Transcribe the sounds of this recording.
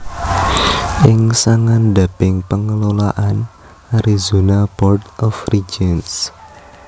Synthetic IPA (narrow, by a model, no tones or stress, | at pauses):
ʔɪŋsaŋand̪a̤pɪŋpəŋəlolaʔan | ʔaɾizunabɔrtɔfrid͡ʒins